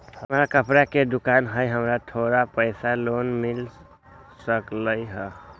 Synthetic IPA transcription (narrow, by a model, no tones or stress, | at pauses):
həmɾakəpɾaked̪ukanɦəjɦəmɾat̪ʰoɾapəɪsalonmil | səkləjɦə